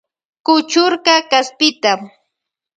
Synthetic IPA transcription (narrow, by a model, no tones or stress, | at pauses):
kʊt͡ʃʊɾkɑkaspɪt̪am